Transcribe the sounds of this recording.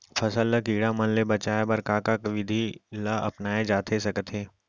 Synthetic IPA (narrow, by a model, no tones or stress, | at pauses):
fʰɐsəlːəkiːɽamɐnlebɐt͡ʃaːebɐɾkaːkakʋɪd̪ʱilaʔɐ̰pnaːed͡ʒaːt̪ʰesɐkət̪ɦeː